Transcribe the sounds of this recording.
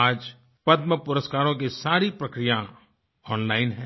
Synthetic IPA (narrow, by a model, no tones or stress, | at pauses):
aːd͡ʒ | pɐd̪məpʊɾəskaːɾõk̬isaːɾipɾɐkɾijã | ɔːnlaːɪnɦɛ̃ː